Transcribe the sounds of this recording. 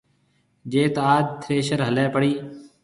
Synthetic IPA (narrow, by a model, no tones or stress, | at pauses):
d͡ʒeːt̪ːaːd̪̚t̪ʰɾeːʃəɾɦəleːpəɽiː